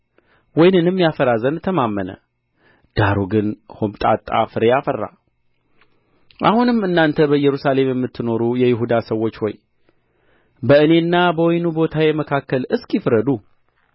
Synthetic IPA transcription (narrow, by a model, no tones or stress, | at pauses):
wɔjnɨnɨmːijafəɾazənt̪ʰːəmamːənə̰ | d̪̥aɾuɡɨnhomt̪ʼa̰t̪ʼːa̰fɨɾejafərːa̰ | ʔa̰hunɨmːɨnːant̪ʰəbəjɛɾusale̞mjɛmːɨt̪ʰːɨno̞ɾujɛjɪɦud̪asəwːo̞t͡ʃːho̞̰j | bəɨne̞ɨnːabəwɔjnubo̞t̪ʰajɛməkʰakːəlɨskʼjɪfɾəd̪u